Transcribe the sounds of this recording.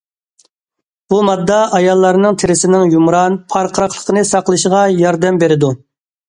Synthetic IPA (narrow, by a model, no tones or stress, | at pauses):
b̥umɑd̪ːɑʔɑjɑlˠːɑɾnɨŋt̪ʰɪɾɪsɪnɪŋjumɾɑnpʰɑɾqʰəɾɑqlˠə̥qʰənɨsɑqlˠɨʃəʁɑjɑɾd̪ɛmbeɾɪd̪u